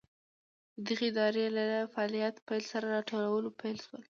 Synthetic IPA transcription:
d̪əd̪əɣeɪd̪ɑɾelafaɑlijat̪pajlsaɾaɾɑʈolawəlopajlʃwəl

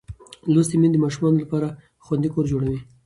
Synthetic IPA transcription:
lost̪emind̪əmɑʃumɑnolapɑɾa | xwand̪ikoɾd͡ʒoɽawi

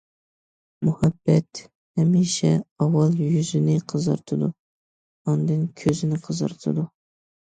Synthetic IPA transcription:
muhɛbːɛt̪ | hɛmiʃɛɑwɑlˠjyzɪnɪqʰəzɑɾt̪ʰɨd̪u | ɑnd̪ɨŋkʲʰøzɪnɪqʰəzɑ̰ɾt̪ʰɨ̰d̪u

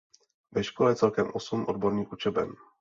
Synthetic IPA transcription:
vɛʃkolɛt͡sɛlkɛmʔosumʔo̞dbo̞ɾniːʔut͡ʃɛbɛ̰m

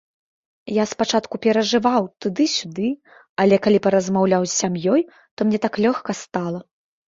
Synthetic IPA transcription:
jaspat͡ʂat̪kupʲɛɾɐʐɨvawt̪ud̪ɨsʲud̪ɨ | ɐlʲɛkalʲipɐɾɐzmawlʲawzʲsʲamjɔj | t̪ɔmnʲɛt̪aklʲɔxkɐst̪alˠɐ

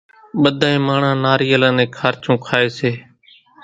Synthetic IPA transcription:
ɓəd̪ʱãːẽːmaːɳãːnaːɾiːəlãːnẽːkʰaːɾt͡ʃõːkʰaːeːseː

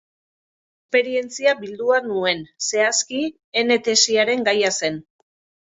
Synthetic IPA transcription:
peɾie̞nt͡siaβild̪uanue̞nse̞aski | ene̞t̪e̞siaɾe̞ŋɡajase̞n

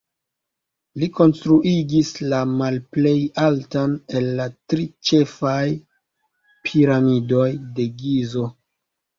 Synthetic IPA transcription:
liko̞nstɾuʔiɡislamalple̞jaltane̞lːatɾit͡ʃe̞faj | pʰiɾamido̞jde̞ɡizo̞

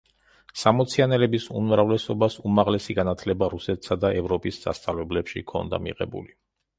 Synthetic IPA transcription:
samɔt̪sʰianɛlɛbisṵnmɾavlɛsɔbasumaʁlɛsiɡanat̪ʰlɛbaɾusɛt̪ʰsad̪aʔɛvɾɔpʼisz̥a̰st̪sʼavlɛblɛpʃḭkʰɔ̰nd̪a̰mḭʁɛ̰bṵli

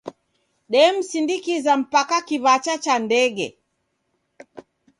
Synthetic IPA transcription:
ɗɛm̩sindikizam̩pakakiβat͡ʃat͡ʃandɛɡɛ̰

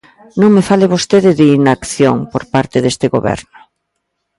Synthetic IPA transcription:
nõŋmefalɪβ̞ost̪eðɪðeinaːkθjoŋpoɾpaɾt̪ɪðest̪ɪɣo̰βɛ̰ɾnʊ

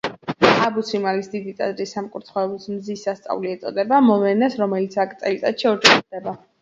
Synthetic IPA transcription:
abusimalisd̪id̪it̪ʼazɾisːamkʼuɾt̪ʰχɔɔbismzisːast̪sʼa̰vliɛt̪sʼɔ̰d̪ɛbamɔvɛnɛsɾɔmɛlit̪sʰakʼt̪sʼɛlit̪ʼat̪ʃiɔɾd͡ʒɛχid̪ɛba

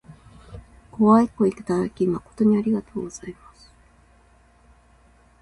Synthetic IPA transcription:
ko̞βaiko̞ikḁt̪aɾakʲimako̞̥t̪o̞ɲ̟iaɾʲiɡat̪o̞ːɡo̞z̥aimasɨ̥

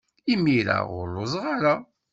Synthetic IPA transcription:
imːiɾa̰ʁʊlʊzˤʁaɾa

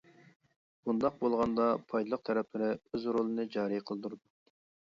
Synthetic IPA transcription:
b̥und̪ɑq̚bolˠʁɑnd̪ɑpʰɑjd̪ɨlˠəq̚t̪ʰæɾɛpʰlɪɾɪøzɾolˠɨnɨd͡ʒɑːɾɨjqʰəlˠd̪uɾd̪u

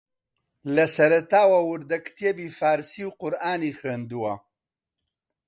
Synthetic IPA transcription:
lɐsɐɾɐt̪aːwɐwʊɾd̪ɐkt̪ʰebifaːɾsiwqʊɾaːnixəːnd̪uwɐ

